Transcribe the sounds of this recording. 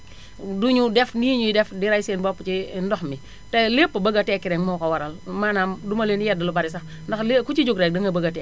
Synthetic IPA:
duɲudɛfniɲuidɛfdiɾajsenbopːt͡ʃindɔxmi | telepːabaɡatɛkiɾɛŋmowkawaɾalmanamdumaleːnijɛdalubaɾisa | ndaxlekut͡ʃid͡ʒuɡɾek̚daŋɡabaɡate

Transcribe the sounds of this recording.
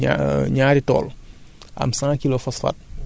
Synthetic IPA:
a̰ɲaːɾitɔ̰ːl | ʔɐ̰msãːkilofɐsfɐ̰t̚

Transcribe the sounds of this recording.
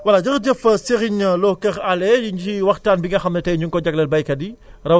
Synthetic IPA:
wɐlɐd͡ʒɐxɟəfɐseɣiɲɐlɔkɐxalɛjuɲiwɐxtaːnbiŋɡɐxɐmnɐtɛjɲuŋkɔɟɐɡlɐlbɐjkɐdirɐ

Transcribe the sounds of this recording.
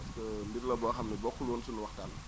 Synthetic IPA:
ɐskənbirlɐbɔːxɐmnibɔkːulwoːnsunuwɐxtal

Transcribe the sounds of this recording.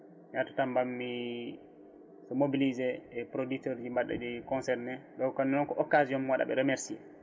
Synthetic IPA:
mijatḁtambamːi | sɔmobilizɛɛpɾoditɔɾd͡ʒimbaɗːa̰d͡ʒɛkɔnsɛɾnɛɗɔwkɔnːɛnɔnkɔʔɔkaziɔmmwaɗa̰ɓɛ̰ɾemeɾsiɛ

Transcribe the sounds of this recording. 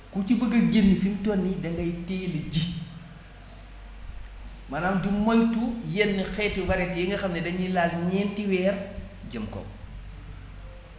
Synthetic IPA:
kucibəɡɐɡenːifintɔnːidɐŋɡɐjtɛːlɐɟi | mɐnaːmdimojtujenːixɛːtiwɐɾɛtjiŋɡɐxɐmnɛdɐɲilaːlɲɛːntiwɛːr | ɟəmkɔ̰m

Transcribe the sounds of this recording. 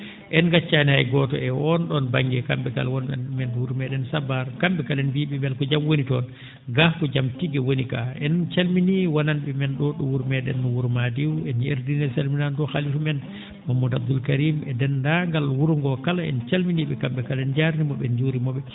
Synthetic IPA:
ʔɛnɡat͡ʃːanihajɡɔtɔ̰ɛɔnɗɔnbaŋɡɛkamɓɛka̰lwɔnɓɛ̰nmɛnwuɾmɛɗɛnsabaɾkamɓɛkalɛnbiːɓɛmɛlkɔd͡ʒamwonitɔn | ɡahkɔd͡ʒamtiɡɛwonika̰ɛnt͡ʃalminiwananɓɛmɛnɗɔɗɔwuɾmɛɗɛ̰nːɔwuɾmadiwɛneɾdinɛsalminandɔxalifmɛn | mamːudabd̪ulkaɾimɛdɛndaŋɡalwuɾŋɡɔkalaɛ̰nt͡ʃalminiɓɛkamɓɛkalɛnd͡ʒaɾnimɔɓɛnd͡ʒuɾimɔɓɛ

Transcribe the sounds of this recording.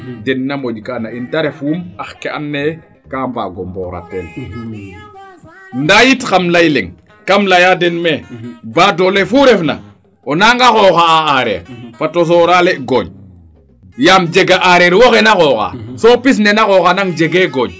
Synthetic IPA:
denːamoʄkanaintaɾefumaxkea̰nːe | kamba̰ɡomboɾa̰tel | ndajitxamlajleŋ | kamlajadenmebadolefuɾefna̰ | onaŋɡaxoːxaːaɾɛ̰ɾfatos̬oɾaleɡoɲ | jamd͡ʒeɡaʔaɾeɾwoxenaxoxa̰sopis̬nenaxoxanaŋd͡ʒeɡeɡoɲ

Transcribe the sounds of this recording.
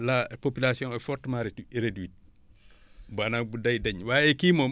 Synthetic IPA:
lapopilasiɔ̃ŋɛfɔtmaɾitiɾedwit̚ | banak̚budɐjdɐɲwaːjɛkiːmo

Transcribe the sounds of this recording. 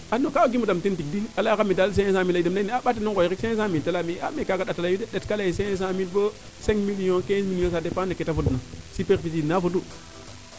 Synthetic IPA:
anokaoɡimudamtentik̚dialakamidals̬ẽes̬ãmilaidemlaniaɓat̬inokojɾikses̬ãmitelamiamekakaɗatalaideɗetkalaisees̬ãmitbo | seŋmilijõkẽsmilijõsadepaneketafudnasipeɾfisinafudu

